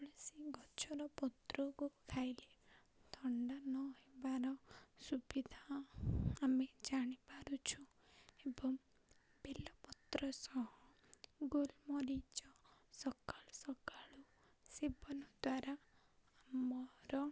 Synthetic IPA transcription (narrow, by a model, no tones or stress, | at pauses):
ɭisiɡɔt͡ʃʰɔɾɔpɔt̪ɾɔkukʰajle | t̪ʰɔɳɖanɔɦebaɾɔsubid̪ʱa | amed͡ʒaɽ̃ibaɾut͡ʃʰu | ebɔŋ | belɔpɔt̪ɾɔsɔɦɔ̃ | ɡolmɔɾid͡ʒɔsɔkalsɔkaɭu | sibɔnɔd̪waɾa | amɔɾɔ